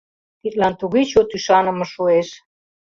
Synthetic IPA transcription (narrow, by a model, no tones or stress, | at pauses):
pit̪lɑnt̪uɣit͡ɕot̪yʃɑnə̆mɤ̆ʃueʃ